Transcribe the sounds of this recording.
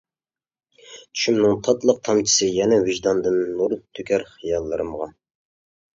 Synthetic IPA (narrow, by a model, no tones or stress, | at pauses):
t͡ʃ̪ʰy̥ʃymnɪŋt̪ʰɑt̪lˠəq̚t̪ʰɑmt͡ʃʰi̥sɨjɛnɛwyʒd̪ɑnd̪ɨnːuɾt̪ʰːykʲʰæɾχijɑlˠːɨɾɨmʁɑ